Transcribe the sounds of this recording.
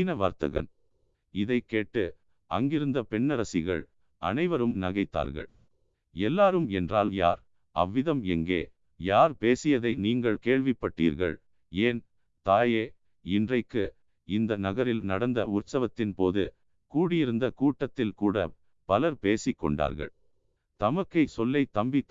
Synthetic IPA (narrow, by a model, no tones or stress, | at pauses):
nɐʋa̰ːɾt̪ɐ̰ɣɐ̰n | ɪðɐɪkːeːʈːɯ | ɐ̰ŋɡɪɾɯnd̪ɐpɛɳːɐɾɐsɪɣɐ̰ɭ | ɐ̰nɐɪʋɐɾɯmnɐɣɐɪt̪ːa̰ːɾɣɐ̰ɭ | ɛlːaːɾɯmɛndraːlja̰ːɾ | ɐ̰ʋːɪðɐmɛŋɡḛː | jaːɾpeːsɪjɐðɐɪniːŋɡɐɭkeːɻʋɪpːɐʈːḭːɾɣɐ̰ɭ | eːn | t̪aːjeː | ɪndrɐɪkːɯ | ɪnd̪ɐnɐɣɐɾɪlnɐɽɐnd̪ɐʊrsɐʋɐt̪ːɪnpoːðɯ | kuːɽɪjɪɾɯnd̪ɐkuːʈːɐt̪ːɪlkuːɽɐ | pɐlɐɾpeːsɪkːɔ̰ɳɖa̰ːɾɣɐ̰ɭ | t̪ɐmɐkːɐɪsɔlːɐɪt̪ɐmbɪ